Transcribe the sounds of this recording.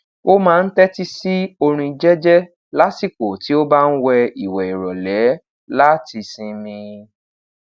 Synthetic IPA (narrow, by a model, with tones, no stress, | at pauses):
o˦mãː˦˧n̩˦tɛ˦ti˦si˦o˧ɾ̃ũ˧i˧d͡ʒɛ˦d͡ʒɛ˦ | la˦si˦˨ko˨ti˨˦o˦ba˦n̩˦wɛ˧i˨wɛ˨i˨ɾɔ˨lɛ˨˦ | la˦ti˧sĩ˧mĩ˧